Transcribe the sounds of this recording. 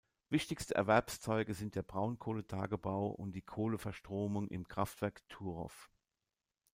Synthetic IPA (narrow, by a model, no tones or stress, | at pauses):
vɪçtɪçstəʔɛɐvɛɐpst͡sɔʏɡəzɪnt̚d̥eːɐbʁaʊnkʰoːlətʰa̰ːɡəbaʊʔʊ̰ntd̥iːkʰoːləfɛɐʃtʁ̥oːmʊŋʔɪ̰mkʁ̥aftv̥ɛɐktʰuːʁɔ̰f